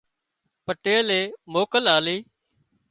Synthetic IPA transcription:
pəʈeːleːmoːkəlaːliː

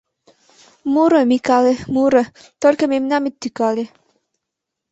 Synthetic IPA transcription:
muɾəmikalemuɾə | t̪olʲkəmemnʲamit̪ːykalʲe

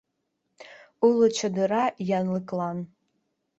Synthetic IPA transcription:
ulɨt͡ʃʰadɨrajanlɨkʼlan

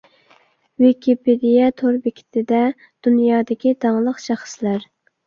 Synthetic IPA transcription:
vikʲiped̪ijɛt̪ʰoɾbɪkʲʰi̥t̪ʰɪd̪ɛ | d̪̥unjɑːd̪ɪkʲid̪ɑŋlˠəqʃæχə̥slæɾ

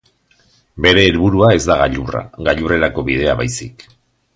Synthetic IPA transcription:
be̞ɾe̞ːlβuɾuae̞zd̪aɣaʎura̰ɣaʎure̞ɾako̞βið̞e̞aβajsik

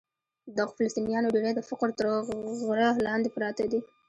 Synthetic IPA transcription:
d̪ɑɣfɪləst̪inijɑnoɖeɾed̪əfɪqɾt̪əɾɣɾalɑnd̪epɾɑt̪ad̪i

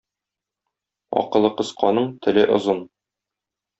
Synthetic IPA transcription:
ɒ̰qɤ̆lˠːɤqɤ̆sqʰɑnɤɴt̪ʰɘ̆lɘʔŏ̰zɤn

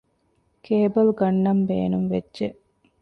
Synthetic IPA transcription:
kʰeːbɐlɡɐnːɐmbeːnuŋʋedːʒeʔ

